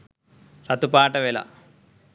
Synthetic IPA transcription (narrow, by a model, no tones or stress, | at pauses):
ɾɐt̪upaːʈɐʋelɐ̰